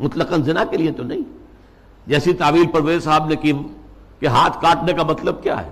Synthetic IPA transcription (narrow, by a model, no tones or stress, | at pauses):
mʊt̪ləqənzɪnakeliet̪onɐɦĩ | d͡ʒɛːsit̪aːʋiːlpɐɾʋeːssaːbneki | keɦaːt̪ʰkaːʈnekamɐt̪ləb̚kja̰ːɦɛ̰ː